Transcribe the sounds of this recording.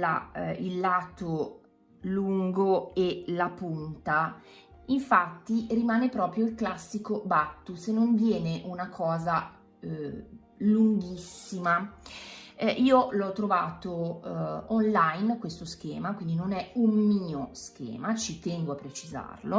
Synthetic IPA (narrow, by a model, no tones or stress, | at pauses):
la̰ilːaːt̪o | luŋɡoelapunt̪a | iɱfat̪ːirimaːnepɾɔːpɾjoilklasːikobat̪ːusenːoɱvjɛːneʔunakʰɔːza | luŋɡisːima | ʔiːolɔt̪ːɾovaːt̪o | onlajnkwest̪osk̟ɛ̰ːmakwind̪inonɛummiːosk̟ɛ̰ːmat͡ʃit̪ɛŋɡoapːɾet͡ʃiza̰rlo